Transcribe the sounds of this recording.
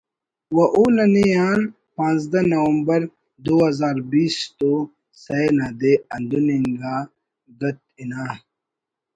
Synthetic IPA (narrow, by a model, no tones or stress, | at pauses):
wɐʔunɐnijaːn | pãːnzd̪ɐnɐwɐmbɐɾ | d̪uɦɐzaːɾbiːst̪o | sɐjnad̪eɐnd̪uniŋɡaː | ɡɐt̪̚inaː